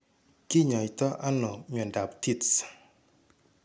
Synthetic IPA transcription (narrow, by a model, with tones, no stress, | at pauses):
ki˦ɲɔ˨i˨t̪ɔ˦ʔa˦nɔ˨ɲ˨ɔ˨nda˨pti˦ts